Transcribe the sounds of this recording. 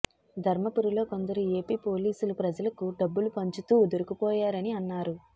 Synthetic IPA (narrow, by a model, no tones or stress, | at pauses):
d̪ʱɐɾmɐpuɾulo̞ːko̞nd̪ɐɾue̞ːpiːpo̞ːliːsulupɾɐd͡ʒɐlɐkuɖɐbːulupɐɲt͡ʃut̪uːd̪uɾukupɔːjaːɾɐniɐnːaːɾu